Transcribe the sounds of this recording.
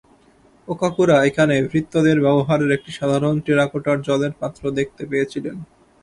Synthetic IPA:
okakuɾaekʰanebʱɾit̪ːod̪eɾbɛboɦaɾeɾek̚ʈiʃad̪ʱaɾonʈeɾakoʈaɾd͡ʑɔleɾpat̪ːɾod̪ek̚ʰt̪epejet͡ɕʰilen

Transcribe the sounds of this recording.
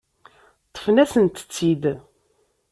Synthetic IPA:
t̪ˤːə̥fnæsənt̪ə̥t͡sːid̪

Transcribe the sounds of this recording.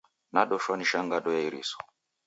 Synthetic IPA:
naɗɔʃaniʃaŋɡaɗɔjaiɾḭsɔ̥

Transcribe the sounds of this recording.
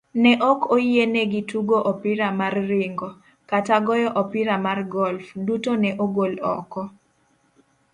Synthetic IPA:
nɛʔɔkojenɛɡituɡoʔɔpiɾamarːɪŋɡɔ | kataɡɔjɔʔɔpɪɾamarɡɔlfdutonɛʔoɡolɔ̰kɔ

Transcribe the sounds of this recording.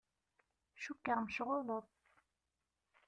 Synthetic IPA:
ʃukːaʁmʃʁoðˤəðˤ

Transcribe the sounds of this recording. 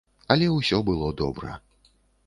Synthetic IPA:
ɐlʲɛwsʲɔbɨlˠɔd̪ɔ̰bɾɐ̰

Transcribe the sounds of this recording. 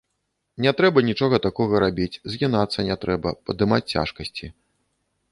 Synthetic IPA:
nʲɛt̪ɾɛbɐnʲit͡ʂɔɣɐt̪akɔɣɐɾabʲit͡sʲzʲɣʲinat̪sːɐnʲɛt̪ɾɛbɐpɐd̪ɨmat͡sʲt͡sʲa̰ʂkɐsʲt͡sʲi

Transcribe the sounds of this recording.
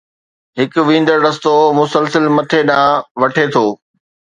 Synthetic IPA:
ɦɪkʊ̆ʋĩːn̆d̪əɾɖɐst̪omʊsəlsəlmɐt̪ʰeɗãːʋɐʈʰet̪ʰoː

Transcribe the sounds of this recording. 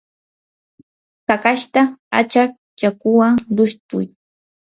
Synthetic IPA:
kakaʃt̪aa̰t͡ʃak̚ | t͡ʃakʊwaŋɾʊʃt̪ʊ̰j

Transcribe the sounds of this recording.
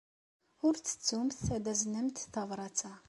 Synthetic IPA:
ʊɾt͡sːə̥t͡sːumθθæd̪æznəmt̪θɑvɾˤɑt͡sːa

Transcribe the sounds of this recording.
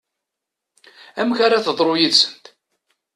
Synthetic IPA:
æmçaɾaθəðˤɾˤojiðsə̥nt̪

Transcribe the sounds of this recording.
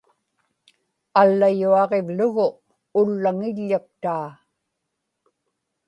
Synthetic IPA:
alːajuɑʁe̞vlʊɣʊ | ʊlːaŋɪʎːak̚t̪aː

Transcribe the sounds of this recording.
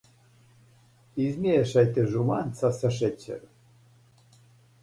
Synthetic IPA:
izmʲeʃɑjt̪eʒumɑnt͡sɑsɑʃ̬et͡ɕːɘ̰

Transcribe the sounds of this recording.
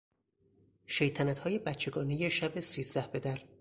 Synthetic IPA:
ʃejt̪ʰænæt̪hɒːje̞bæt̪t͡ʃʰe̞ɡɒːnejeʃæbesiːzd̪æhbe̞d̪æɾ

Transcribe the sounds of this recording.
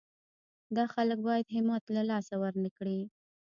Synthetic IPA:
d̪ɑxalək̚bɑjad̪ɦɪmɑt̪lalɑsawaɾnəkɽi

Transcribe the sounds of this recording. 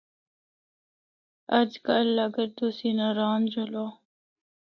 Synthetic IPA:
əd͡ʒkəlːəɡəɾt̪usiːnaɾaːnd͡ʑoloː

